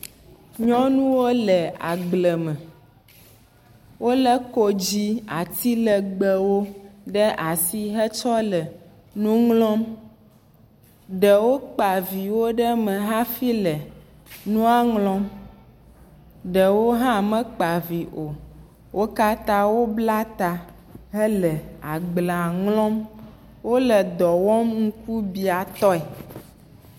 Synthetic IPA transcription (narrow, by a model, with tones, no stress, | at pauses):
ɲɔ̃˦nũ˦wo˦lɛ˨a̰˨ɡ͡blɛ˨mɛ̃˨ | wo˦lə˦ko˦d͡ʑi˦a˨t̪i˦lə˨ɡ͡bə˨wo˦ɖə˦ʔa˨si˦ɦə˦t͡ʃɔ˦lə˨ | nũ˦ŋlɔ̃˦m | ɖə˨wo˦k͡pa˨vi˨wo˦ɖə˦mə̃˨ɦã˦fi˦lə˨ | nũ˦a˦ŋlɔ̃˦m | ɖə˨wo˦ɦã˦˨mə̃˦k͡pa˨vi˨ʔo˨ | wʔo˦ka˦t̪ã˦wo˦bla˦t̪a˨ | ɦə˦lə˨a˨ɡ͡bla˨ŋlɔ̃˦m | wo˦lə˨d̪ɔ˨wɔ˦mŋ̩˦ku˦bi˨a˨t̪ɔ˦ɛ˨